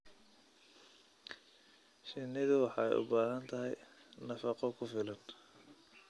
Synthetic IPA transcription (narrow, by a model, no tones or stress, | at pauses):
ʃɪnːɪðʊwɑħɑɛ̰jʔʊ̰baːɦɐnt̪ʰɐɦɛjnɐfɑqɔkʰʊfɪlɐn